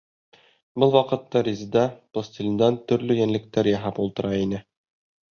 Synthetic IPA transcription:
bɤlˠwɑqɤ̆t̪ːɑɾʲizd̪ɑpost̪ʲilʲnd̪ɑnt̪ɵ̆ɾlɵjænlɘ̆k̚t̪æɾjɑɦɑpulˠt̪ɤ̆ɾɑinɘ

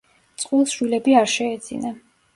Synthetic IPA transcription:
t̪sʼqʼulˠʃwilɛbiaɾʃɛːd̪z̥ḭna

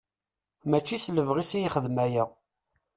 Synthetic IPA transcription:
mæt͡ʃːisləvʁisijiχəðmæjæ

